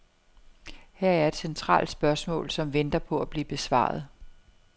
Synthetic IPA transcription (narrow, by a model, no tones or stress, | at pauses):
hæɐ̰æɐe̝d̥sent͡sʰʁɑ̰̈ːld̥sb̥ɶɐsmɔ̰̽ːlsɒ̽mʋend̥ɐpʰɒ̽æb̥liːb̥e̝sʋɑ̰̈ːð̞̩ˠ